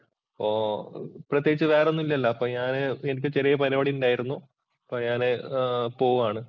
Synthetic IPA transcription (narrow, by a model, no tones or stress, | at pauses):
ɐpːoːprɐt̪jeɡit͡ɕːɨʋeːro̞nːilːɐilːɐːpːoːɲaːnɨenik̬ʲːɨt͡ɕiɾijɐpɐɾiʋɐɽiuɳɖaːjiɾunːu | ɐpːoːɲaːnepo̞ːɣumaːɳɨ